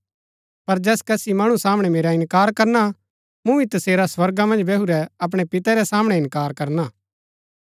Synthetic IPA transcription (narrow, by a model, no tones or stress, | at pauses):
pɐɾd͡ʒɛːskɛsimɐɽ̃ũsaːmɽ̃ɛmeːɾaɪnkaːɾkɐɾna | mũɪt̪ɐseːɾaswɐɾɡamɐ̃nd͡ʒbɛɦuɾɛɐp̬ɽ̃ɛpɪt̪ɛɾɛsaːmɽ̃ɛ̃ɪ̃nkaːɾkɐɾnaː